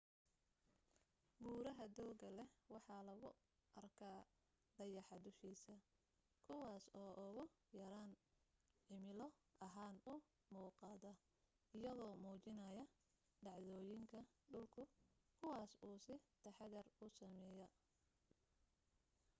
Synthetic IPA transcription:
buːɾɐɦɐd̪ɔːɡɐlɛwɑħɑlɐɣʊ | ʔɐrkʰaː | d̪̥ɐjɑħɑd̪ʊʃiːsɐ | kʰʊwɑːsɔːʔʊɣʊ | jɐɾaːnʕɪmɪlɔʔɐɦaːnʊ | muːqɑːðɐ | ɪjɐðɔːmuːt͡ʃɪnɐjɐ | ɖɑʕðɔːjɪŋkʰɐɖʊlkʰʊkʰʊwɑːsuːsɪt̪ʰɐħɑɣɐrʊsɐmɛːjɐ

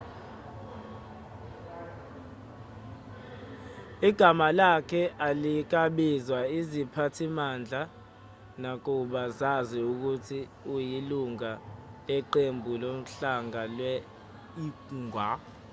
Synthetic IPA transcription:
iɡ̥ʱamalakʰɛʔalik̬aɓizwaizipʰatʰimand͡ɮʱa | nak̬uɓazaziuk̬utʰiujiluŋaɛǃembʱulom̩ɬaŋalwɛ | iŋwa

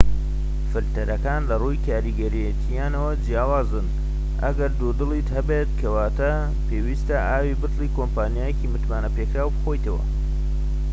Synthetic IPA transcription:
fɨɾt̪ɐɾɐkaːnlɐrujkʰaːɾiɡɐɾijet̪ʰijaːnɐwɐd͡ʒjaːwaːzɨn | ʔɐ̰ɡɐɾd̪ud̪ɨlˠiːt̪hɐbet̪kʰɐwaːt̪ɐ | pʰeːwiːst̪ɐʔaːwibɨt̪lˠiːkompaːnjaːjeciːmɨt̪maːnɐpekɾaːwbɨxo̞jt̪ɐwɐ̰

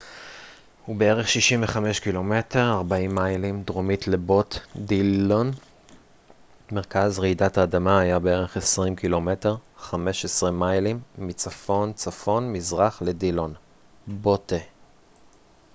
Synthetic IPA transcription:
hube̞eʁe̞χʃiʃimveχame̞ʃkilo̞me̞te̞ʁaʁbaimːajlimdʁomitle̞botdilon | meʁkazʁeidataːdamaːjabe̞e̞ʁe̞χesʁimkilo̞me̞teʁχame̞ʃesʁimajlimːit͡safo̞nt͡safo̞nmizʁaχle̞dilon | bote

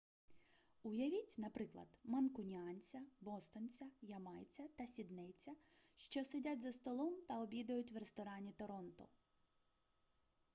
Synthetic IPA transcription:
ʊjɐʋʲit͡sʲnɐpɾɪklˠɐ̰d̪mɐnkʊnʲanʲt͡sʲɐbɔst̪ɔnʲt͡sʲɐjɐmɑjt͡sʲɐt̪ɐsʲid̪nɛt͡sʲɐʃt͡ʃɔsedʲatʲzɐst̪ɔlˠɔmt̪ɐɔbʲid̪ɐjʊtʲʋrest̪ɔɾɑnʲit̪ɔɾɔnt̪ʊ̰

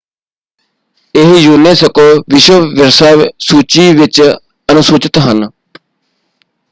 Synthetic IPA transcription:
ɪɦjuːneːsəkoːʋɪʃəʋɪɾsaːsuːt͡ʃiːʋɪt͡ʃ | ənʊsuːt͡ʃɪt̪ɦən

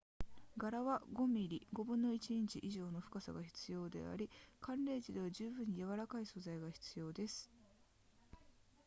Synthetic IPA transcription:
ɡaɾaβaɡo̞mʲiɾʲiɡo̞bɯ̟̃nːo̞it͡ɕiɲĩɲt͡ɕiʔiʑo̞ːno̞ɸɯ̟̥kasa̰ɡaçi̥t͡sɨjo̞ːd̪e̞̰a̰ɾʲikãnɾe̞ːd͡ʑid̪e̞βaʑɨːbɯ̟̃ɲ̟ːijaβaɾakaiso̞zaiɡaçi̥t͡sɨjo̞ːd̪e̞sɨ̥

